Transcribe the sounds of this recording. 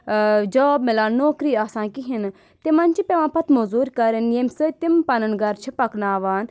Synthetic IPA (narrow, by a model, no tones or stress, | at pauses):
d͡ʒɔːbmelaːnoːkɾiːaːsãːkiɦin | t̪emãnt͡ʃipeʋãːpɐt̪mozuːɾkɐɾənjemsət̪impɐnənɡɐɾt͡ʃʰipɐknaːʋaːn